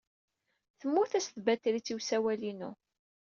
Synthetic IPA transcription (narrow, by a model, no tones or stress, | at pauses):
θəmːʊθæsθbæt̪ːlit͡sːiwsæwælinu